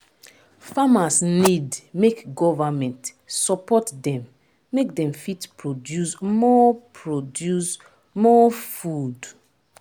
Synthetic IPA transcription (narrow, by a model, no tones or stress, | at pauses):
famasnidmekɡɔvamɛ̃nt | sɔpɔtdɛ̃mː | ek̚dɛ̃mfitpʰɹodjusmɔpʰɹodjus | mɔfud